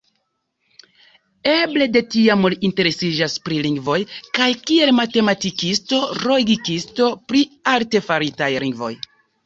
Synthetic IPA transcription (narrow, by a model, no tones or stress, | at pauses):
e̞ble̞de̞tiamulinte̞ɾe̞sid͡ʒaspɾiliŋɡvo̞jkajkie̞lmate̞matikisto̞ɾo̞ɡikisto̞pɾialte̞faɾitajliŋɡvo̞̰j